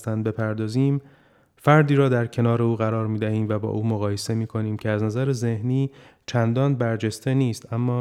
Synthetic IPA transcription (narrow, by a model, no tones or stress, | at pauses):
st̪ænd̪̚be̞pʰæɾd̪ɒːziːm | fæɾd̪iːɾɒːd̪æɾcʰe̞nɒːɾe̞uːɣæɾɒːɾmiːd̪æhiːmvæbɒ̰ːʔuːmoɣɒːje̞se̞miːkʰo̞niːmcʰeæznæzæɾeze̞hniːt͡ʃʰænd̪ɒːnbæɾd͡ʒe̞st̪e̞niːst̪æmːɒː